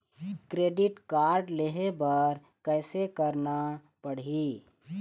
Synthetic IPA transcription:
kɾeːɖɪʈkaːɾɖleɦebəɾ | kɛɪsekəɾna | pəɽ̤i

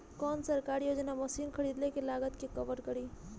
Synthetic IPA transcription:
kɔnsəɾkaɾjod͡ʒnaməsinkʰəɾid̪lekelaɡət̪kekəʋəɾkəɾi

